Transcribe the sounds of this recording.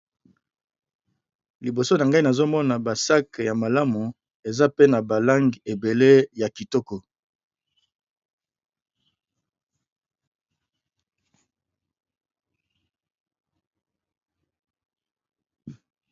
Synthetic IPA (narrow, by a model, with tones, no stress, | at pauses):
li˨bo˨so˦na˨ŋɡa˦i˦na˨zo˦mɔ˦na˨ba˨sa˦kja˨ma˨la˦mu˨ | e˨za˦pe˦na˨ba˨la˦ŋɡi˨e˨be˨le˦ja˨ki˨tɔ˦kɔ˨